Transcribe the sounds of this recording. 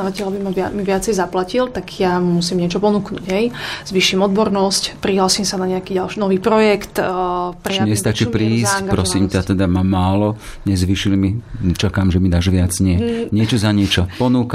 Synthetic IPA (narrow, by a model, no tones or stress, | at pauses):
aʋacɛlabimaʋmiʋɪat͡sɛjzaplacilt̪aɡjamusiːmɲɪɛt͡ʃɔpɔnuːknṵɟɦɛjz̥ʋiːʃimɔd̪bɔɾnɔscpɾiɦlaːsiːmsanaɲɛakiːɟalʃnɔʋiːpɾɔjɛkt̪pɾiɲɛst̪at͡ʃipɾiːscŋpɾɔsimcat̪ɛd̪amaːmaːlɔ | ɲɛzʋiːʃilmit͡ʃakaːmʒɛmid̪aʒʋɪad͡zɲɪɛɲɪɛt͡ʃɔzaɲɪɛt͡ʃɔpɔnuːka